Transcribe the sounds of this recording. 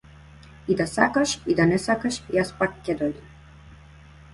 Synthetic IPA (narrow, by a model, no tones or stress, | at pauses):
id̪asa̰kaʃid̪anɛsakaʃijaspakːɛd̪ɔjd̪im